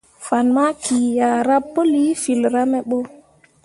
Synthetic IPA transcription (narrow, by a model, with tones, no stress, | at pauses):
fa˨nma˦kʰi˨ja˨ɾa˦pːo˦li˦fi˨lɾa˦mɛ˨ɓo˦